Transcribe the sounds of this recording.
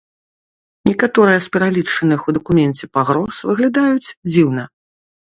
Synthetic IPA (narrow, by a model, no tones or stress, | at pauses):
nʲɛkat̪ɔɾɨjɐspʲɛɾalʲit͡ʂɐnɨxud̪ɐkumʲɛnt͡sʲɛpaɣɾɔsvɨɣlʲad̪ajut͡sʲd͡zʲiwnɐ